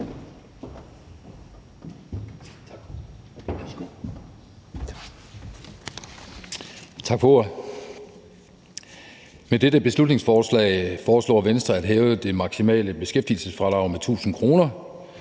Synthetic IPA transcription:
t͡sʰɑ̈ɡ̥fɔoɐ | med̥edəb̥e̝slud̥ne̝ŋsfɒːslɛ̰ːɪfɒːslɔ̰ːʋensd̥ʁɐæd̥ɦɛːʊd̥e̝mɑ̈ɡ̥simɛ̰ːləb̥e̝sɡ̥efd̥ḭlsəsfʁɑ̈l̥ɑ̈ʊmet͡sʰṵːsn̩kʰʁo̝ːnɐ

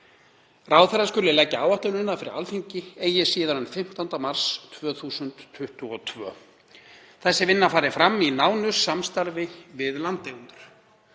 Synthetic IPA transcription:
raːwθɛɾaskʏlɪlɛcːaaːwaht̪lʏnɪnːafɪɾɪ̰ɾa̰lfiɲcɪeːjɛsiːðaɾʏnfɪm̥t̪ant̪amaɾ̥st̪ʰvœːθuːsʏnt̪ʰːʏht̪ʏɔt̪ʰvœ̰ː | θɛsːɪvɪnːafaːɾɪfɾamːinaːwnʏsamst̪aɾvɪvɪðlant̪ːejunt̪ʏɾ̥

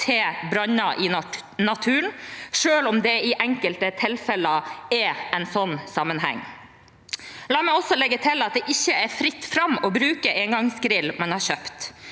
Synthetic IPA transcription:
t̪ʰeːbɾɑnɑʔɪ | nɑt̪ʰʉːnʂøːlɔmd̪ɛɪʔɛŋkəlt̪ət̪ʰɪlfɛləəɛɛnsɔnːsɑmːənɦæ̰ŋː | lɑːmɛɪɔsːɔlɛɡət̪ʰɪlɑt̪̚d̪ɛʔɪçːəɛɾfɾɪt̪ːfɾɑmɔbɾʉːkəʔeŋɡɑŋsɡɾɪlːmɑnhɑɾɕøːpt̪

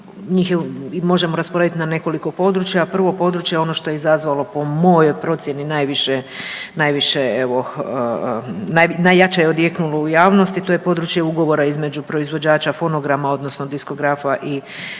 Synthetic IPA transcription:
ɲiːxjeimo̞ʒe̞mo̞ɾaspoaʋit̪inane̞ko̞liko̞po̞d̪ɾut͡ʃjaːpr̩ʋo̞po̞d̪ɾut͡ʃjeo̞no̞ʃt̪o̞jeizazʋalo̞po̞mo̞jo̞jpɾo̞t̪sje̞ninajʋiʃenajʋiʃeeʋo̞ | najnajat͡ʃejeod̪jeknulo̞ujaːʋno̞st̪it̪o̞je̞po̞d̪ɾut͡ʃjeuɡo̞ʋo̞ɾaizme̞d͡ʒupɾo̞izʋo̞d͡ʑaːt͡ʃafo̞no̞ɡɾamao̞d̪no̞sno̞d̪isko̞ɡɾafaʔi

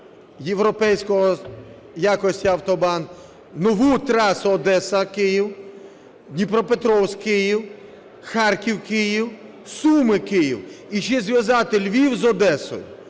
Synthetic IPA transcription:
jewɾɔpɛjsʲkɔɦɔ | jakɔsʲtʲiɐwt̪ɔbɑn | nɔʋut̪ɾɑsʊɔd̪ɛsɐkɪjiw | d̪ʲnʲipɾɔpet̪ɾɔwsʲkɪjiw | xɑrkʲiwkɪjiw | sumɪkɪjḭwiʃɛzʲʋʲjɐzɑt̪elʲʋʲiwzɔd̪ɛsɔ̰jʊ

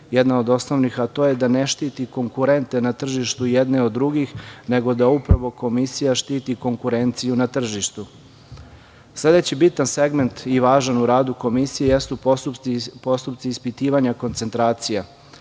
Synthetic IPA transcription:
jed̪naod̪o̞sno̞ʋnixat̪o̞je̞d̪ane̞ʃt̪iːt̪iko̞ŋkuɾe̞nt̪e̞nat̪r̩ʒiʃt̪ujed̪ne̞o̞d̪ːɾuɡixne̞ɡo̞d̪aupɾaʋo̞ko̞misijaʃt̪iːt̪iko̞ŋkuɾe̞nt̪sijunat̪r̩ʒiʃt̪u | slˠe̞d̪et͡ɕibit̪anse̞ɡme̞nt̪iʋaːʒanuɾaːd̪uko̞misijejest̪u | po̞st̪upt̪siːspit̪iːʋaɲako̞nt̪se̞nt̪ɾaːt̪sija

